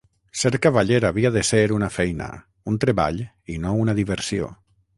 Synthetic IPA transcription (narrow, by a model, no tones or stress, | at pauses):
sɛɾkaβaʎeɾaβiaðeseɾunafɛjna̰ | unt̪ɾeβa̰ʎ | inounaðiβ̞eɾsio̰